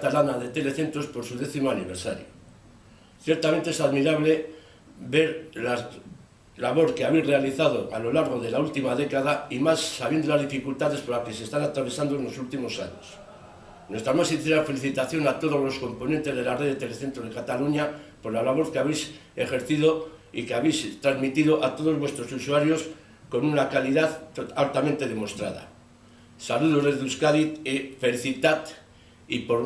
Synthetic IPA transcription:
kat̪alanaðe̞t̪e̞le̞θe̞nt̪ɾospo̞ɾsuðe̞θimo̞aniβeɾsa̰ɾjo | θje̞ɾt̪ament̪eesaðmiɾaβle̞ | be̞ɾla | laβo̞ɾke̞aβejzre̞aliθað̞o̞ʔalo̞laɾɣ̞o̞ðe̞lault̪imaðe̞kaðaimasːaβje̞nd̪olazðifikult̪aðe̞spoɾlake̞sest̪anat̪ɾaβ̞e̞sand̪oenlo̞sult̪imo̞sa̰ɲo̰s | nwe̞st̪ɾamassinθe̞ɾafe̞liθit̪aθjo̞nat̪o̞ð̞o̞zlo̞sko̞mpo̞nẽnt̪e̞zðe̞lareðet̪e̞le̞θe̞nt̪ɾoð̞e̞kat̪aluɲapo̞ɾlalaβo̞θkeaβejse̞xe̞ɾθiðo̞ḭkeaβejst̪ɾazmit̪iðo̞ʔat̪o̞ðo̞zβwe̞st̪ɾo̞susuaɾjo̞s | ko̞nunakaliðaðalt̪amẽnt̪e̞ðe̞mo̞st̪ɾa̰ða̰ | saluðo̞ðeðuskaðit̪efe̞liθit̪at̪ | ipo̞ɾ

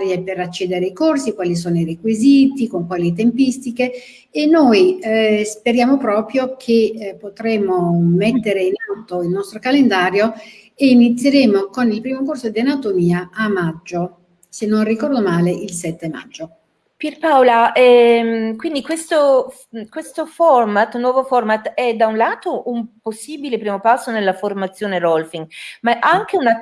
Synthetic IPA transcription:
ɾjepeɾat͡ʃːɛːd̪eɾeikorsikwaːlis̬oːnoiɾekwiziːt̪ikoŋkwaːlit̪̬empist̪ikeː | nːojispeɾjaːmopɾɔːpɾjokʰepːot̪ɾeːmomet̪ːeɾeinawt̪ːoilnɔst̪ɾokalend̪aːɾjo | eːnit̪sːjeɾeːmokonilpɾiːmokorsod̪ianat̪omiːaamːad͡ʒːo | senːonrikɔrd̪omaːleilsɛt̪ːema̰d͡ʒːo | pirpawlaɛmkwind̪ikwest̪o | kwest̪ofɔrmat̪ːnwɔːvofɔrmat̪ɛd̪aunlaːt̪oʔumposːiːbilepɾiːmopasːonelːaformat̪sːjoːneɾɔlfiŋɡmaʔaŋk̟euna

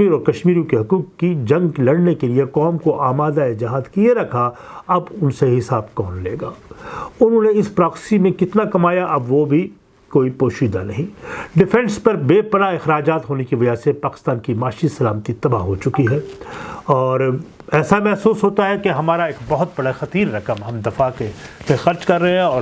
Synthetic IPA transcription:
iːɾɔːɾkɐʃmiːɾjũkeɦɐkuːqːid͡ʒɐ̃ŋɡlɐɽnekeliekɔːmkoʔaːmaːd̪aɪd͡ʒ̪ɪɦaːd̪kieɾɐkʰaɐbʊnseɦɪsaːbkɔːnlḛːɡaːʊnɦõneɪspɾaːksɪ̥simẽkɪt̪nakɐmaːjaʔɐbʋobʱi | koːipoːʃiːd̪anɐɦĩɖɪfɛ̃nspɐɾbeːpɐɾaɪxɾaːd͡ʒaːt̪ɦoːnekiʋɐd͡ʒasepaːkɪ̥st̪aːnkimaːʃisɐlaːmət̪it̪ɐbaɦot͡ʃʊkiɦɛː | ɔːɾ | ɛːsamɛɦsuːsɦoːt̪aɦɛkeɦɐmaːɾaeːkbɐɦʊt̪̚bɐɽaxɐt̪iːɾːɐkəmɦɐmd̪ɐfakemẽxɐɾt͡ʃkɐɾːɐɦɛ̃ɔːɾ

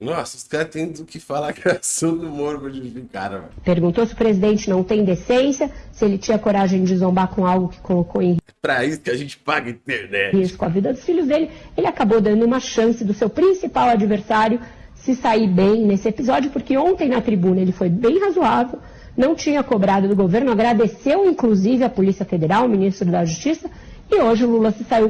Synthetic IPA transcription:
nɔsɪskaɾt̪ẽzʊkɪfalakasɐ̃d̪umoɾvɐd͡ʒufika̰ɾɐ̰peɾɡũnt̪osɪʊpɾezid̪ẽnt͡ʃɪnɐ̃w̃t̪ẽj̃d̪esẽsjɐsɪelɪt͡ʃĩɲɐkoɾaʒẽj̃d͡ʒɪzõmbakõawɡʊkɪ̥kolokowẽj̃ | pɾɐisʊ̥kɪaʒẽnt͡ʃɪ̥paɡɐĩt̪eɾnɛiskʊɐvid̪ɐd̪ʊsfiʎʊzd̪elɪelɪakabod̪ɐ̃nd̪ʊũmɐʃɐ̃sɪd̪ʊsewpɾĩsipawad͡ʒiveɾsaɾjʊ | sɪsaibẽj̃nesɪepizɔd͡ʒʊpʊɾkɪõnt̪ẽj̃nɐt̪ɾibũnɐelɪfojbẽj̃hazuavew | nɐ̃w̃t͡ʃĩɲɐkobɾad̪ʊd̪ʊɡoveɾnʊaɡɾad̪esewĩŋkluzivɪɐpolisiɐfed̪eɾawʊminist̪ɾʊd̪ɐʒust͡ʃisɐ | ɪoʒɪʊlulɐsɪsaiw

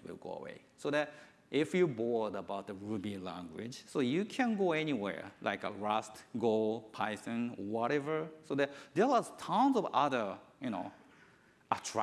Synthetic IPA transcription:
wɪ̰lˠɡo̰ə̰wḛɪsoðæt | ʔɪfjɨbɔldəbaʊt̪̚ðəɹubilæ̰̃ŋɡwɪ̰̥d͡ʒ̥soʊjɨkʰæ̃nɡoɛniwɛ̰ɹlʔa̰ɪkə̰ɹʌstɡolˠpʰaɪsɨ̃n̰wɔɾɛvə˞soðætd̪ɛaztʰãnzɔvʌðə˞jɨno̰ʊ | ʔətʰɹa

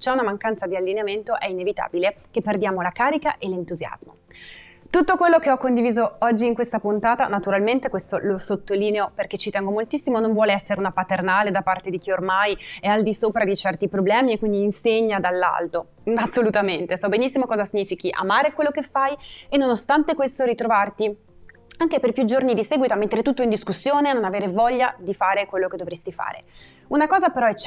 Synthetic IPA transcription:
t͡ʃɛunamaŋkant̪sad̪ialːineament̪oʔɛinevit̪a̰ːbilek̟epːerd̪jaːmolakaːɾikaʔelent̪uzja̰zmo̰ | t̪ut̪ːokwelːokeɔkːond̪iviːzoɔd͡ʒːiːŋkwest̪apunt̪aːt̪anat̪uɾalment̪ekwest̪olosot̪ːoliːneoperk̟et͡ʃːit̪ɛŋɡomolt̪isːimonoɱvwɔːleɛsːeɾeunapat̪ernaːled̪apːart̪ed̪ik̟iormajɛald̪isoːpɾad̪it͡ʃɛrt̪ipɾoblɛːmiekːwind̪iːnseɲːad̪alːa̰lt̪o | asːolut̪ament̪esɔbenisːimokɔːzasiɲːiːfikiʔa̰maːɾekwelːokefːajenːonost̪ant̪ekwest̪oɾit̪ɾovart̪i | aŋkeperpjud͡ʒornid̪isɛːɡwit̪oamːet̪ːeɾet̪ut̪ːoind̪iskusːjoːnenonaveːɾevɔʎːad̪ifaːɾekwelːoked̪ovɾest̪ifa̰ːɾḛ | unakɔːzapeɾɔɛt͡ʃː

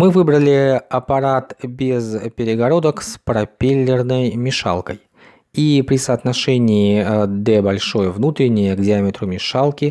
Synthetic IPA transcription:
mɨvɨbɾəlʲɪɐpɐɾat̪bʲɪzpʲɪɾʲɪɡɐɾo̞d̪əkspɾɐpʲelʲːɪrnəjmʲɪʂa̰lˠkəj | ipɾʲɪsɐːt̪nɐʂɛnʲɪːd̪ɛbɐlʲʂo̞jəvnut̪ɾʲɪnʲɪjəɡdʲɪamʲɪt̪ɾʊmʲɪʂalˠkʲɪ

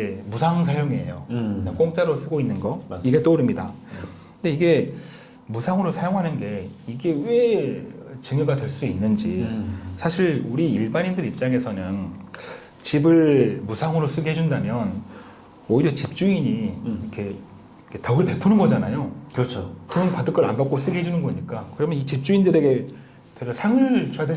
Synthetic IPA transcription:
emusʰaŋsʰajoŋeɦejo̰nek͈oŋ̚t͡ɕ͈aɾos͈ɯɡoinːɯnɡʌiɡe̞t͈oɾɯmɲida̰kɯnde̞iɡe̞ | musʰaŋɯɾosʰajoŋɦanɯnɡe̞iɡe̞we̞ | t͡ɕɯŋjʌɡadwe̞ɭs͈uinːɯnd͡ʑisʰaɕʰiɭuɾiiɭbanindɯɾip̚t͡ɕ͈aŋe̞sʰʌnɯn | t͡ɕibɯɭmusʰaŋɯɾos͈ɯɡɦed͡ʑundamjʌn | ʌiɾjʌt͡ɕip̚t͡ɕ͈uiɲiikʰe̞ | ikʰetauɾipe̞pʰunɯnɡʌd͡ʑanajokɯt͡ɕʰokɯʌnpadɯk͈ʌɾa̰nbak͈os͈ɯɡiɦed͡ʑunɯnɡʌɲik͈akɯɾʌmjʌnit͡ɕip̚t͡ɕ͈uindɯɾe̞ɡe̞ | tweɡasʰaŋɯɭt͡ɕoade

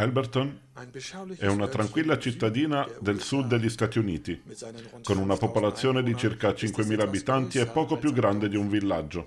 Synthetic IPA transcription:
ɛlbert̪on | ɛunat̪ɾaŋkwilːat͡ʃit̪ːad̪iːnad̪elsud̪ːeʎːist̪aːt̪iuniːt̪i | konunapopolat̪sːjoːned̪it͡ʃirkat͡ʃiŋkwemiːlaːbit̪ant̪iɛpːɔːkopjuɡɾand̪ed̪iuɱvilːad͡ʒːo

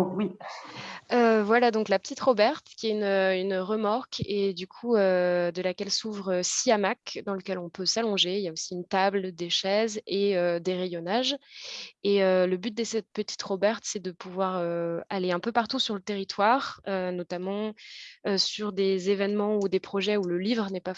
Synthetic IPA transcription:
wi | øvwalad̪ɔ̃klapə̥t̪it̪χobɛʁt̪kʲiɛynøynʁəmaʁked̪ykʰuød̪əlakʲɛlsuvʁøsiamakd̪ɑ̃ləkʲɛlɔ̃pøsalɔ̃ʒeiljaosiynt̪abld̪eʃɛzeød̪eʁɛjɔnaʒ | eøləbyt̪̚d̪əsɛt̪̚pət̪i̥t̪χobɛʁt̪sɛd̪əpʰuvwaʁøaleɛ̃pøpaʁt̪usyʁlət̪eʁit̪ʰwaːʁønɔt̪amɑ̃øsyʁd̪ezevɛnmɑ̃ud̪epχɔʒɛuləlivʁənɛpa

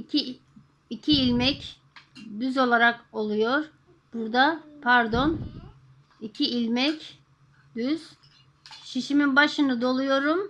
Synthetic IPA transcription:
i | icʰiːlʲmɛc | d̪yzo̞lˠaɾako̞lˠujo̞ɾ̥ | b̥uɾd̪apʰæɾd̪o̞n | icʰiilʲmɛc | d̪yz̥ | ʃiʃiminbaʃɯnɯd̪o̞lˠujo̞ɾum

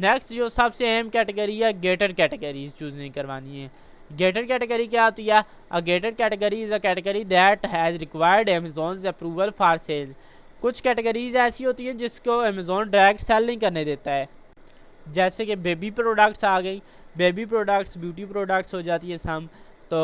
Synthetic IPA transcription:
nɛksʈd͡ʒoːsəbseɛ̃ːmkɛːʈəɡəɾiɛːɡeːʈəɖ̚kɛːʈəɡəɾiːzt͡ʃuːznəĩkəɾʋaːniɦɛ̃ː | ɡeːʈəɖkɛːʈəɡəɾik̬jaːɦoːt̪iɛː | əɡeːʈəɖkɛːʈəɡəɾiːzkɛːʈəɡəɾiːd̪ɛːʈɦɛːzɾɪkʋaːjəɖɛːməzoːnzɛpɾuːʋəlpʰaːɾseːlz | kʊt͡ʃʰkɛːʈəɡəɾiːzɛːsiɦoːt̪iɦɛ̃ːd͡ʒɪskoːɛːməzoːnɖɾɛːkʈsɛlnɪĩkəɾned̪eːt̪aɦɛː | d͡ʒɛːsekebeːbipɾoːɖəkʈsaːɡəĩː | beːbip̬ɾoːɖəkʈsbjuːʈiːpɾoːɖək̚ʈsɦoːd͡ʒaːt̪iɦɛ̃ːsəm | t̪oː

